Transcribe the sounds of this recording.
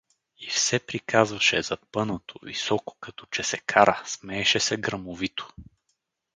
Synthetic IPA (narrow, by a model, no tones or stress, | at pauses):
ifsɛpɾikʰazvɐʃɛzɐpɤnot̪ʰovḭsɔko̥kɐt̪ɔ̥t͡ʃɛsɛkʰaɾəsmɛɛʃɛsɛɡɾəmovit̪o̥